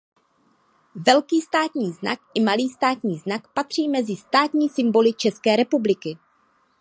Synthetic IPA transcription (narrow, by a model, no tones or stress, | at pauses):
vɛlkiːst̪aːt̪ɲiːzna̰kʔɪmaliːst̪aːt̪ɲiːznakpat̪r̝̥iːmɛzɪst̪aːt̪ɲiːsɪmbo̞lɪt͡ʃɛskɛːɾɛpublɪkɪ